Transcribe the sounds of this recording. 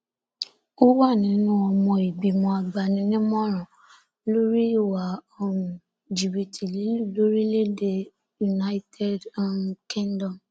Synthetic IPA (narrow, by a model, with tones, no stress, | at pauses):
o˦wa˦˨nĩ˨˦nũ˦ɔ˧mɔ̃˧i˨bi˨mɔ̃˧a˧ɡ͡ba˧nĩ˧˦nĩ˦mɔ̃˦ɾ̃ɔ̃˨ | lo˦ɾi˦i˦˨wa˨o˦˨ũ˨ | d͡ʒi˨bi˨tʰi˨li˨˦lu˦˨lo˨˦ɾi˦le˦de˧ | ju˨na˦i˦tʰɛ˦dkĩ˦ndɔ̃˨m